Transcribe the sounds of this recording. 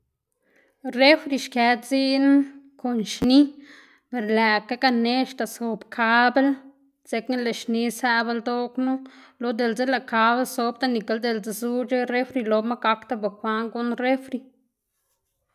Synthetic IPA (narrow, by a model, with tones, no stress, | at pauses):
re˦fɾi˧ʃke˧˦d͡zi˦n˦ko˨nʃni˦ | pe˨ɾlæ˨ka˦ka˧ne˦ʃt̪a˨so˨bkʰa˦be˦l | z̥e˧kna˦le˨ʃni˧˦sæ˧be˧ld̪o˦knu˦lo˧d̪e˨lze˦la˨ka˨˦be˦lso˧˦b̚t̪a˦ni˨ka˧˦ld̪e˨ld͡ze˧zu˦t͡ʃe˦re˦fɾi˧lo˧ma˦ɡa˧kt̪a˦be˨xʷa˧˦ŋɡu˦nre˦fɾi˧